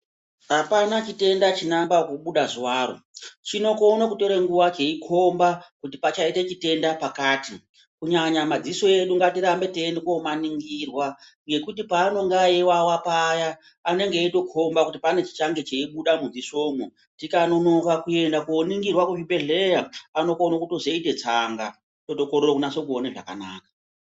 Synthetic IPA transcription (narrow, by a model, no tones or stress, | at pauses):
ɦapanat͡ʃite̞ndat͡ʃinambakuɓuɗaʐiwaːɾo̰t͡ʃino̞konakuto̞ɾeŋɡuwat͡ʃeikʰo̞mbakut̬ipat͡ʃaite̞t͡ʃite̞ndapakaːti | kuɲaɲamad͡ziso̞e̞ɗuŋɡatiɾambe̞tenekomaniŋɡirwa | ŋɡe̞kutipaːno̞ŋɡaewawapajaː | ne̞ŋɡeito̞kʰo̞mbakutipane̞t͡ʃi̥t͡ʃaŋɡe̞t͡ʃeiɓuɗamud͡ziso̞ːmo | tikano̞no̞kakue̞ndakuoniŋɡirwakuʐibe̞ɮe̞jaano̞konokutozeite̞t͡saŋɡa̰ | to̞to̞kororokunaso̞k̬uoneʐa̰ka̰na̰ːkḁ